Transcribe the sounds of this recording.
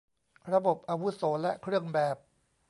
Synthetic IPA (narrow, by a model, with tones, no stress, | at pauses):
ɾa˧bo˨˩p̚ʔa˧wu˦˥soː˩˦lɛ˦˥ʔkʰɾɯ˥˩əŋbɛː˨˩p̚